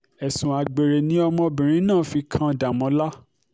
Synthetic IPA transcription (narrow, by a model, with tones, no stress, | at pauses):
ɛ˨sũ˨a˨ɡ͡be˨ɾe˨nĩ˦ɔ˧mɔ̃˧bĩ˨ɾ̃ĩ˦nãː˦˨fi˧kʰã˦˧da˨mɔ̃˨˧˦la˦